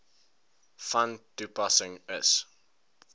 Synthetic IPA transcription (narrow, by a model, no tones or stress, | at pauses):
fãnd̥upasɪ̃ŋɪs